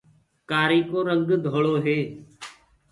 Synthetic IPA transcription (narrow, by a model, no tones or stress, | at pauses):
kaːɾiːkoːɾəŋɡd̪ʱoːɭoːɦeː